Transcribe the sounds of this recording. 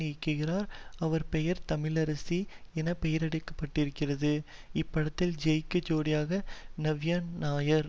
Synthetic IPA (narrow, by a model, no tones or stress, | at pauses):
ɪkːɯɣɪraːɾɐʋɐɾpɛjɐɾt̪ɐmɪlɐɾɐsiɛnɐpɛjɐɾɐɽɪkːɐ̥pːɐʈːɪɾɯkːɪrɐðɯ | ɪpːɐɽɐt̪ːɪld͡ʒɛjkːɯd͡ʒoːɽɪjaːɣɐnɐʋjaːnnaːjɐɾ